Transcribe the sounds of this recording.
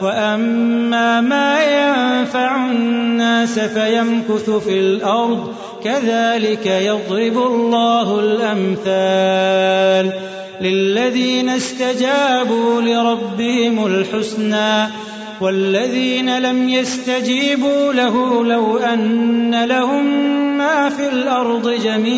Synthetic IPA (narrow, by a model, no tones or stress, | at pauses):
waʔamːaːmaːjanfaʕʊnːaːsafajamkʊθʊfiːlʔɑɾˤd̪ˤ | kaðaːlɪkajɑðˤlɪbʊlˤːaːɦʊlʔamθaː | lː | ɪlːaðiːnast̪ad͡ʒaːbuːlɪɾˤɑbːɪhɪmʊlħʊsnaː | walːaðiːnalamjast̪ad͡ʒiːbuːlaɦuːlawʔanːalahʊmːaːfiːlʔɑɾˤd̪ˤɨd͡ʒamiː